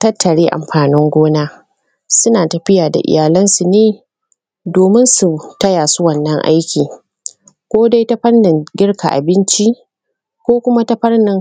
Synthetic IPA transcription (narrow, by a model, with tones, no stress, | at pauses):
tɐ˦tːɐ˨ɽeː˦ʔa̰˨mɸaː˨nɪ˦ŋɡʷoː˦naː˦ | sʊ˦naː˨tɐ˨ɸɪ˦jaː˨da̰˨ʔɪ̰˨jaː˨lɐ˦nsu˨neː˦ | doː˨mɪ˦nsu˨tɐ˦jaː˨su˦wɐ˦nːɐ˦ŋʔa̰˦jkʲiː˨ | kʷoː˦da˦jta˦ɸɐ˦nːɪ˨ŋɡʲɪ˦ɽkʰa̰˨ʔa̰˨bɪ˦nt͡ʃi˦ʔ | kʷoː˦kʷʊ˦ma˦ta˦ɸɐ˦rnɪ˨ŋ